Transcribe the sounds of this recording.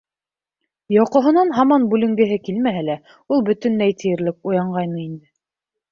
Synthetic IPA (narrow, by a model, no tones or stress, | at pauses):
jɑqŏɦŏnɑnɦɑmɑnbʉlɘ̆ŋɡɘ̆ɦɘkilmæɦælæ | ulˠbɵ̆t̪ɵ̆nːæjt̪ʰɘ̆jɘ̆ɾlɘk̚ujɑɴɢɑjnɤind̪ɘ